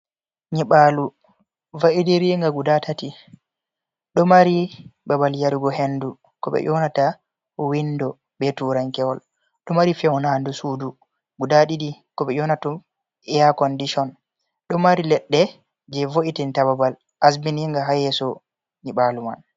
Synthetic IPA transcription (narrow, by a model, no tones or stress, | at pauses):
ɲiɓalu | vaʔidiɾiŋɡaɡudatati | ɗɔmaɾibabaljaɾuɡɔhendu | kɔɓɛ̰ʔɔnata | windɔ | bɛtuɾankɛwɔl | ɗɔmaɾifɛwnandusuːdu | ɡudaɗidikɔɓɛjɔnatɔ | ɛjakɔndiʃɔn | ɗɔmaɾilɛɗːɛ | d͡ʒɛvoʔitintababal | ʔas̬biniŋɡaɦajɛsɔ | ɲiɓaluma̰n